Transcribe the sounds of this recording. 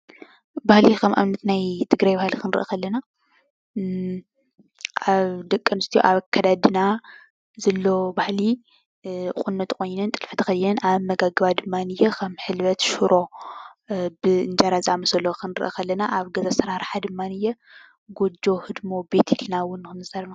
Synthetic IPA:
bahlikʰɐmʔa̰mnɐt̪najt̪ʰɨɡɾajbahlikʰɨnɾɨ̰ʔɐ̰kʰɐlːɐna | ʔaβd̪ɐkʼːɐnɨst̪ʰijo̰ʔaβɐkʰːɐd̪ad̪ɨna | zɐlːo̞bahli | qʼunːɐt̪kʰo̞jnɐnt̪ʼɨlfɨt̪ʰɨkʰɐjnʔaβmːɐɡaɡɨβad̪ɨmːanɨjːokʰɐmħɨlβɐt̪ʃuɾʔo̞ | bɨɨnd͡ʒaɾazɨamɐsɐlːokʰɨnɨɾɨʔɐkʰɐlːɐnaʔaβɡɐzasɨɾaɾħad̪ɨmːanɨjːɛ | ɡod͡ʒo̞hɨd̪mo̞be̞t̪ʰilnawʊnːɨxɨnɨzaɾɐna

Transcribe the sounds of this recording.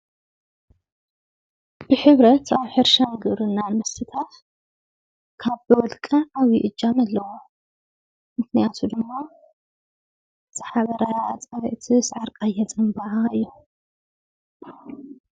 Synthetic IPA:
b̥ɨħɨβɾɐt̪aβħɨɾʃaŋɡɨβɾɨnːanmɐsɨt̪ʰat̪ | kʰaβbɨwɔlkʼɐʔaβiʔɨd͡ʒamɐlːɐwo | mɨknijat̪ʰud̪ɨmːa | zʰɨħaβɐɾat͡sʼɐɾɐʔt̪ʰisʕaɾkʼajːɛt͡sʼɨmbaʕaɨjːu

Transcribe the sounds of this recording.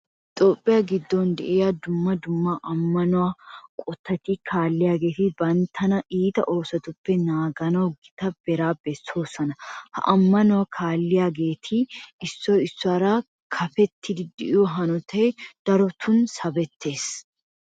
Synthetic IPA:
hɪt̪ʼo̞ːpʼːɪjaɡɪd̪ːɔnd̪ɛ̰ʔjad̪ʊmːɐd̪ʊmːaʔɐmːɐnʊwakʼɔt̪ːɐt̪ːikʰaːlːɪjaːɡe̞ːt̪ɪbɐnt̪ʰːɐnɐʔiːt̪ɐ̰ʔo̞ːsɐt̪ʊpːɛnaːɡɐnɐwɡɪt̪ɐb̥ɛɾaːbɛso̞ːsɐnɐhɐ̰ʔɐmːɐnʊwakʰaːlːɪjaːɡe̞ːt̪ʰɪɪsːɔjɪsːʊaːɾa | kʰɐfɛt̪ʰːɪd̪ɪd̪ɪʔɪjɔɦɐnɔt̪ʰɛjd̪̥ɐɾɔt̪ʰʊnsɐbɛt̪ʰːe̞ːs

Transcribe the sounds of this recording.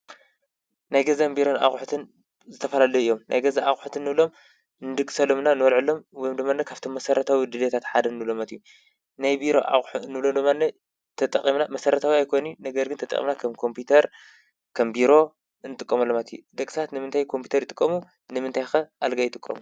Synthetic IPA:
najɡɐzambiɾo̞na̰xʼħut̪ʰɨn | zɨt̪ʰɐfɐlalɐjuɨjːo̞mnʔa̰jɡɐzaʔaxʼħt̪ʰɨnːɨβlo̞m | nɨd̪ɨkʼɨsɐlomnanɨwɐlʕɨlːo̞mwɔjomd̪omːanːɐkʰaβt̪ʰo̞mːɐsɐɾɐt̪ʰawid̪ɨlet̪ʰat̪ħad̪ɐnːɨβlo̞mat̪ʰiju | najbiɾo̞ʔa̰xʼħnɨβlomd̪omːanːɐ | t̪ʰɐt̪ʼɐkʼimnamɐsɐɾɐt̪ʰawiajkʰojninɐɡɐɾɡɨnt̪ɐt̪ʼɐ̰kʼḭmnakʰɐmkʰo̞mpʰut̪ʰɐɾ | kʰɐmbiɾo̞ | ɨnɨt̪ʼɨkʼːɐmɐlːomat̪ʰijud̪ɐkʼsʰat̪nɨmɨnt̪ʰajkʰo̞mpʰi̥t̪ʰɐɾɨt̪ʼɨkʼːɐmu | nɨmɨnt̪ʰajxɐʔalɡajɪt̪ʼɨkʼːɐ̰mu

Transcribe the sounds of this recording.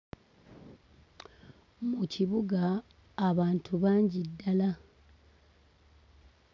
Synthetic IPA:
muciβuɡaː | βaːntʰuβaːɲɟidːala

